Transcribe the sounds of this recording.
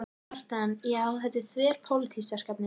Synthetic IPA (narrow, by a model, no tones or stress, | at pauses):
aɾ̥t̪anjɛaawɦɛt̪ɪθvɛːɾ̥pʰowlɪt̪ʰisɛ̥skaːpnɪ